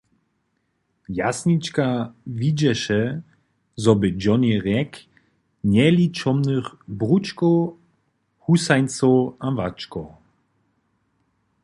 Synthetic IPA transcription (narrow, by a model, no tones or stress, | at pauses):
jasɲit͡ʃkavʲid͡ʑɛʃɛ | zɔbɨd͡ʒɔnɛɾɛk | mjɛlʲit͡ʃɔmnɨχbɾut͡ʃkɔ | husajnt͡sɔavat͡ʃkɔ